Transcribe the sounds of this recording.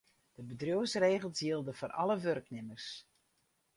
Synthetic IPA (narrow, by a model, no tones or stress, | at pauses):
d̥əbədrjowsreːɣəl̩ˠsjiəlˠdəfɔnʔɑ̰ləʋørknɪmərs